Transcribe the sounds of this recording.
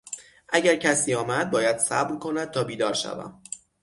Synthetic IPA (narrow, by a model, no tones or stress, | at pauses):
ʔæɟæɾcʰæsiːɒːmæd̪̚bɒːjæd̪̥sæ̰bɾkʰonæd̪̚t̪ʰɒːbiːd̪ɒːɾʃæ̰væ̰m